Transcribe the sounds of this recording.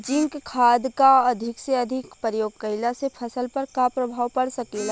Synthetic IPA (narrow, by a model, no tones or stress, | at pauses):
d͡ʒɪ̃ŋkkʰːaːd̪kaɐd̪ʱɪkseɐd̪ʱɪkpəɾjoːɡ̚kəɪlasepʰəsəlpɐɾkapɾɐbʱaːwpɐɽsəkela